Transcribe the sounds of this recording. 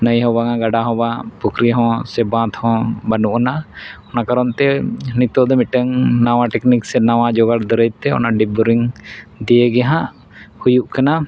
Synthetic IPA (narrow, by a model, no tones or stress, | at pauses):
nəjɦɔ̃baŋaɡaɖaɦɔ̃bapɔkɾiɦɔ̃sɛbãt̪hɔ̃banuʔɔnaɔnakaɾɔnt̪ɛnit̪ɔd̪ɔmiʈəŋnawaʈɛkniksɛnawad͡ʒɔɡaɾd̪əɾəjt̪ɛɔ̰naɖibuɾiŋd̪iəɡɛaɦaʔ | hujuʔkana